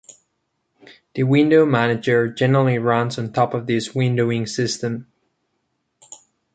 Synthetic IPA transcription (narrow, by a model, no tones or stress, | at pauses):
ðɨwɪ̃ndoʊmænɨd͡ʒə˞d͡ʒɛnə˞l̩ˠiɹʌ̃nzn̩tʰɔpʌvðɪswɪ̃ndoʊɪ̃ŋsɪstɨ̃m